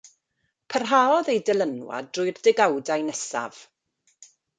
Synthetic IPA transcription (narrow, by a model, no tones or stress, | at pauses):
pʰərɦaːɔðejdɛlˠənwa̰drʊjrdɪɡawdajnɛsa̰v̥